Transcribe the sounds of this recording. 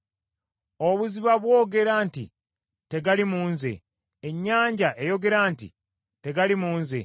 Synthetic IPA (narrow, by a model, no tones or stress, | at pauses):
oβuziβaβwo̞ːɡe̞ɾaːnti | te̞ɡalimuːnze̞̰ | eɲːaːɲɟaʔe̞jo̞ɡe̞ɾaːntḭ | te̞ɡalimuːnzḛ